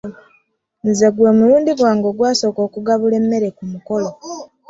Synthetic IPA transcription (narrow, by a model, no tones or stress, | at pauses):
nzeɡwe̞ːmuluːndiɡwaːŋɡo̞ːɡwaːso̞ːko̞ːkuɡaβule̞mːe̞ɾekumuko̞lo